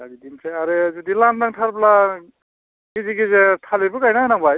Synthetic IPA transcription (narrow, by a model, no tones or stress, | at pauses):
laɡidimseaɾezedilandaŋtʰaɾpla | ɡiziɡizetʰalebɯkajnanaŋbaj